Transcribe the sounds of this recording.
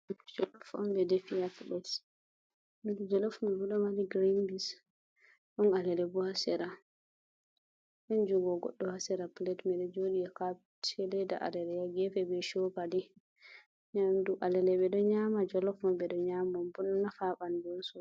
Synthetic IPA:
d͡ʒɔlɔfɔ̰mbɛdefijaplɛt | midud͡ʒɔlɔfmubuɗɔmadiɡɾinbis | ɗɔnalɛlɛbuhasɛɾa | ʔɛnd͡ʒuɡɔɡɔ̰ɗːɔhasɛɾaplɛtmɛɗɔd͡ʒoɗijaka | tʰɛlɛda̰ʔa̰dɛɾɛjaɡɛfɛbɛʃɔkadi | ɲamduʔalɛlɛɓɛɗɔɲamad͡ʒɔlɔfɔmbɛɗɔɲamɔmbunnafaɓand͡ʒɔsɔ

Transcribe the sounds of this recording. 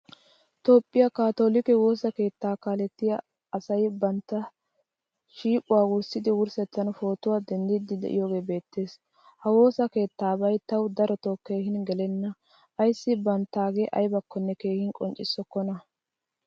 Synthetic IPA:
t̪o̞ːpʼːɪjɐkaːt̪o̞ːlɪkɛwo̞ːsɐke̞ːt̪ːaːkaːlɛt̪ːɪjɐ | ɐsɐjbɐnt̪ːɐ | ʃiːpʼʊwaːwʊɾsɪd̪ɪwʊɾsɛt͡sːɐnfo̞ːt̪ʊwaːd̪ɛnd̪ɪd̪ɪd̪ɛ̰ʔɪjoːɡe̞ːbe̞ːt̪ːe̞ːs | hɐwo̞ːsɐke̞ːt̪ːaːbɐjt̪ɐwd̪ɐɾɔt̪oke̞ːhɪnɡɛlɛnːɐ | ɐjsːɪbɐnt̪ːaːɡeːʔɐjbɐkːɔnːɛke̞ːhɪnkʼɔnt͡ʃʼɪsːɔkːɔnɐ

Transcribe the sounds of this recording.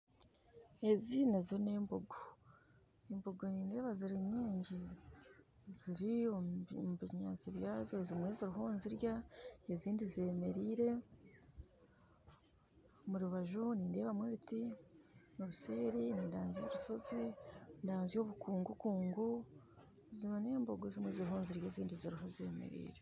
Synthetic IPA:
e̞zinazoɾineːmboɡo | emboɡoniːnde̞ːβaziɾimɲiːɲɟi | ziɾiomuβiɲa̰ːt͡siβjaːzoezimweːzoɾuɦoːnziɾjaeziːndizieːme̞ɾiːɾe̞ | muɾuβaʒuniːnde̞ːβamweβiti | noβuse̞ːɾiniːndaːnzijo̞ɾuso̞zindaːnzijo̞βukuːŋɡukuːŋɡu | ziβoneːmboɡozimweːzoɾuɦuːnziɾjaziːndiziɾiɦozḛːmḛɾḭːɾe

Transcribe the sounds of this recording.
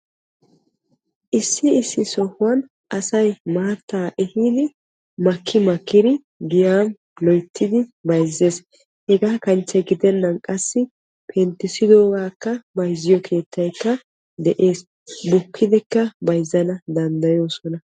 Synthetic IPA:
ʔɪsːɪɪsːɪsɔhʊwɐn | ʔɐsɐjmaːt̪ːaːʔɛhiːd̪ɪ | mɐkːɪmɐkːɪd̪ɪ | ɡɪjaːm | lɔjt̪ʰːɪd̪ɪbɐjzːe̞ːs | hɛɡaːkɐnt͡ʃːɛɡɪd̪ɛnːɐnkʼɐsːɪ | pʰɛnt̪ːɪsɪd̪o̞ːɡaːkːɐbɐjzːɪjɔkʰe̞ːt̪ʰːɐjkːɐ | d̪ɛʔe̞ːs | bʊkʰːɪd̪ɛkːɐbɐjzːɐnɐd̪ɐnd̪ɐjo̞ːsɔnɐ

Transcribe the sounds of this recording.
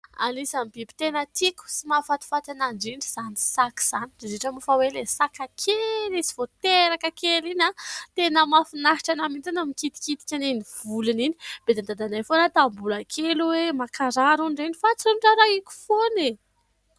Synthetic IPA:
a̰nisambibi̥t̪enət̪iku̥simafat̪i̥fat̪anaɳɖ͡ʐiɳɖ͡ʐiz̥anisaki̥z̥anid̥̪ezeʈ͡ʂəmufawelesakakʰelisi̥v̥ot̪eɾakəkelinat̪enəmafinaɦiʈ͡ʂanamint̪inamikit̪i̥kit̪i̥kʲaneniv̥uluninib̥ed̪and̪ad̪anajfonat̪ambulakʰeluwemakaɾaɾuɳɖ͡ʐinifat͡sunʈ͡ʂaɾaikʲu̥fone

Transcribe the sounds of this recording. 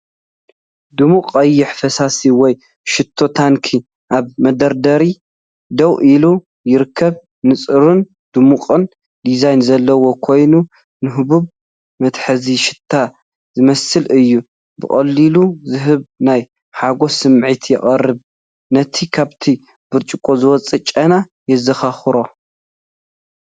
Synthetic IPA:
d̪ɨmuqʼɐjːɪħfɐsasiwɔj | ʃɪt̪ʰːo̞t̪ʰankʰi | ʔaβmɐd̪ɐɾd̪ɐɾi | d̪ɐwʔilu | jɪɾɨkʰːɐβ | nɨt͡sʼɨɾun | d̪̥umuqʼɨn | d̪izajnzɐlːɐwo̞kʰo̞jnu | nɨɦɨβuβ | mɐt̪ħɐziʃɪ̥t̪ʰːa | zɨmɐsɨlʔɨjːu | bɨ̰χʼɐlːiluzɨɦɨβnaj | ħaɡo̞sɨmʕit̪ʰjɛχʼɐrːɨβ | nɐt̪ʰikʰaβt̪ʰi | b̥ɨɾt͡ʃʼɨkʼːozɨwɔt͡sʼɨt͡ʃʼɐna | jɛzɐxaxɨɾo̞

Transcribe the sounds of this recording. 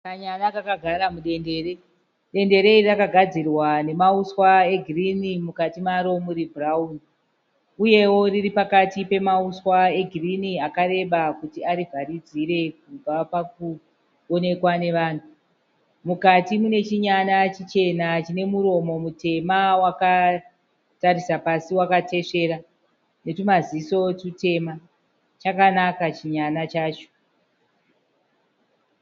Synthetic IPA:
kaɲanakakaɡʱaɾamuɗe̞nde̞ːɾe | ɗe̞nde̞ɾe̞iirakaɡʱad͡zirwane̞mauswae̞ɡʱirinimukatimaɾo̞muɾibʱrauni | uje̞wo̞riripakatipe̞mauswae̞ɡʱiriniakaɾe̞ɓakutiaɾivʱaɾid͡ziɾe̞k̚ub͡vapak̚u | one̞kwane̞ʋaːn̤u | mukatimune̞t͡ʃiɲanat͡ʃit͡ʃe̞nat͡ʃine̞muɾo̞mo̞mute̞mawaka | taɾisapasiwakate̞ʂe̞ɾa | ne̞tumaziso̞tute̞ma | t͡ʃakanakat͡ʃiɲanat͡ʃaːt͡ʃo̥

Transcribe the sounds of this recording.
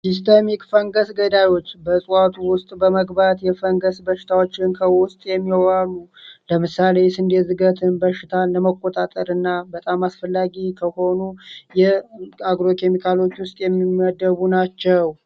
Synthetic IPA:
sis̬t̪ʰemikʼfəŋɡəsɡəd̪ajo̞t͡ʃːbəsʼuat̪ʰuwʊst̪ʼbəməɡbat̪jɛfəŋɡəsbəʃɪ̥t̪ʰawo̞t͡ʃːɪnkʰəwʊst̪ʼjɛmːialuləmɨsale̞sɨnd̪ezɨɡət̪ʰɨnbəʃɪt̪ʰaləməkʼːo̞t̪ʼat̪ʼəɾɨnːabət̪ʼamasfəlːaɡikʰəho̞nujɛaɡɾo̞kʰe̞mikʰalo̞t͡ʃːwʊst̪ʼjɛmːiəd̪ːəβunat͡ʃːɛw

